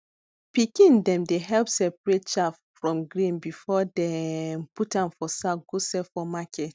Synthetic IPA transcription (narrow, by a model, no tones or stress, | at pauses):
pikĩndɛ̃mdeɦɛlpsɛpɹet̚t͡ʃaf | fɹɔ̃mɡɹĩnbifɔdɛmputãmfɔsaɡosɛfɔmakʰɛt